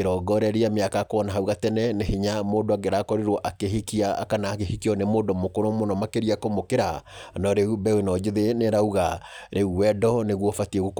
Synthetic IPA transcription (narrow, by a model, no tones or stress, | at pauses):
eɾɔɡɔɾɛɾeameakakoɔnaɦauɣatɛnɛnehiɲamoːdoaɡeɾaːkɔɾeɾwɔʔakeɦikia̰ːkanaːkehikiɔnemoːdɔmokoɾomonɔmakeɾiakomokeɾanɔɾeubɛwenɔd͡ʒeðeneɾauɣaɾʔeuwɛdɔneɣwɔfatiɛɣok